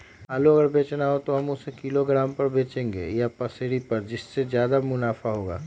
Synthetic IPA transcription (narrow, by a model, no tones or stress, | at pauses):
ɦaːloɐɡəɾbʱeːt͡ʃnaɦot̪oɦɐmʊsekiloɡɾaːmpɐɾbʱeːt͡ʃẽːŋɡḛːjapɐseːɽipɐɾd͡ʒɪsːezjaːd̪amʊnaːfaɦoːɡa̰ː